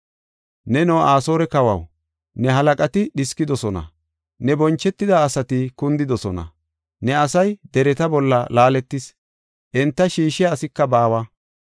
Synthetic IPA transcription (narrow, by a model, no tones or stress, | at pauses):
nɛnɔaːso̞ːɾɛkɐwɐ̰w | nɛɦɐlɐkʼɐt̪ɪɗɪskɪd̪ɔsɔnɐ̰ | nɛbɔnt͡ʃːɛt̪ːɪd̪ɐːsɐt̪ɪkʊnd̪ɪd̪ɔsɔnɐ̰ | nɛɐsɐjd̪ɛɾɛt̪ɐbɔlːɐlaːlɛt̪ːɪs | ʔɛnt̪ːɐʃiːʃɪaːsɪkːɐbaːwɐ